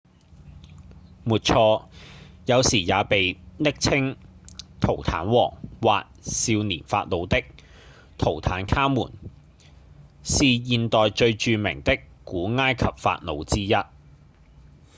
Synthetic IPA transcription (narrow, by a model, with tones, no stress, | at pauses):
muː˨˩t̚t͡ʃʰɔː˧jɐ˨˧wsiː˨˩jaː˨˧pe˨jnɪ˥k̚t͡sʰɪ˥ŋ | t̪ʰo˨˩wt̪ʰa̰ː˨˥nwɔː˨˩ŋwa̰ː˨t̚siː˧wniː˨˩nfa̰ː˧t̚lo˨˧wt̪ɪ˥k̚ | t̪ʰo˨˩wt̪ʰaː˨˥nkʰaː˥mːuː˨˩n | siː˨jiː˨nt̪ɔː˨jt͡ʃɵ˧ɥt͡ʃyː˧mɪ̰˨˩ŋt̪ɪ˥k | kːuː˨˥ŋaː˥jkʰɐ˨p̚fa̰ː˧t̚lo̰˨˧wt͡siː˥jɐ˥t̚